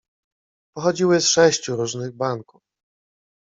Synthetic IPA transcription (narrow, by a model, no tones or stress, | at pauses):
pɔxɔd͡ʑiwɘsʂɛɕt͡ɕuɾuʐnɘɣbaŋkuf